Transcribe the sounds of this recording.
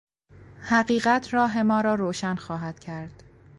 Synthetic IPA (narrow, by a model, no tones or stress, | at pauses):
hæɢiːɣæt̪ʰɾɒːɦe̞mɒːɾɒːɾoːʃænxɒːɦæd̪̥cʰæɾd̪̥